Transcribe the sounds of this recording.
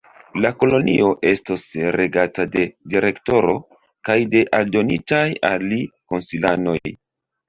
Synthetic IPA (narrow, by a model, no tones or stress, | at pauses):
lako̞lo̞nḭo̞ʔe̞stosɾe̞ɡatade̞diɾe̞kto̞ɾo̞̰ | kajde̞ʔaldo̞nḭtaja̰lːiko̞nsilano̞j